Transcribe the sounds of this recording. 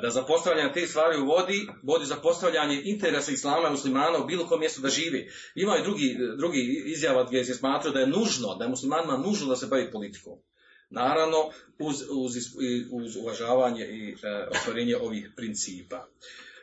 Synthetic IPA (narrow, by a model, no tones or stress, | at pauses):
d̪azapo̞st̪aʋʎaːɲet̪eːst̪ʋaːɾiʋo̞d̪i | ʋo̞d̪izapo̞st̪aʋʎaɲe̞ʔint̪eɾesaislˠaːmaimuslimaːnaubiːlˠo̞ko̞emje̞st̪ud̪aʒiːʋeː | imamoid̪ɾuɡid̪ɾuɡiizjaʋaɡesesmaːt̪ɾajod̪ajenuʒno̞d̪ajemuslimaːnimanuːʒnod̪ase̞baʋiːpo̞lit̪i̥ko̰ːm | naːɾaʋno̞ | uzuzisiuzuʋaʒaːʋaːɲe̞ʔio̰st̪ʋaɾeːɲeʔo̞ʋiːhpɾint̪siːpaː